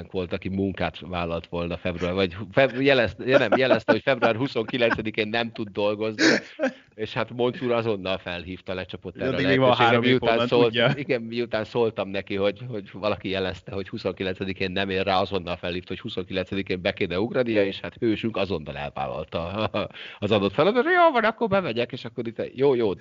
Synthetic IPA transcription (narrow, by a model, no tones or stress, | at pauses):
ŋkʋo̞lt̪ɒkimuŋkaːt̪ʋaːlɒlt̪ʋo̞lnɒfɛbruaːrʋɒɟfɛjɛlɛst̪jɛnɛmjɛlɛst̪ɛho̞cfɛbɾuaːrɦuso̞ŋkilɛnt̪sɛd̪ikeːnːɛmt̪ud̪ːo̞lɡo̞zni | eːʃhat̪mo̞nsuːɾɒzo̞nːɒlfɛlɦiːft̪ɒlɛt͡ʃɒpo̞t̪ːɛɾlɛʃɛɡɾɛmiuaːnsoliɡɛmmiut̪aːnsoːlt̪ɒmnɛkiɦo̞ɟho̞ɟvɒlɒkijɛlɛst̪ɛɦo̞chuso̞ŋkilɛnsɛd̪ikeːnːɛmeːrːaːɒzo̞nːɒlfɛlhiːft̪ɒho̞chuso̞ŋkilɛnsɛd̪ikeːmbɛkeːnɛuɡrɒd̪ijɒeːʃhat̪høːʃyŋkɒzo̞nːɒlɛ̰lva̰ːlɒ̰lt̪ɒ | ɒzɒd̪o̞t̪fɛlɒd̪ɔojoːvɒnɒkːorbɛvɛɟɛkeːʃɒkːoɾit̪ːɛjoːjoː